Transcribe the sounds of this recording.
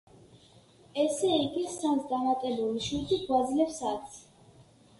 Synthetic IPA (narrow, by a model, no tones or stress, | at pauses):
ɛsɛiɡisant̪ʰd̪amat̪ʼɛbuliʃit̪ʼiɡwad̪zlɛpsak̪sʰ